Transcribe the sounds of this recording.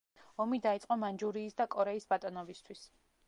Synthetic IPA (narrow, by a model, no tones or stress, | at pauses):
ɔmid̪ait̪sʼqʼɔmand͡ʒuɾiːsd̪akʼɔɾɛisbat̪ʼɔnɔbist̪ʰwis